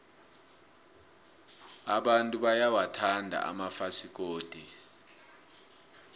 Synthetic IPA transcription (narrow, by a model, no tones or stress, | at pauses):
aɓantʼuɓajawatʰandʱa̰a̰mafasik̬oːd̥ʱi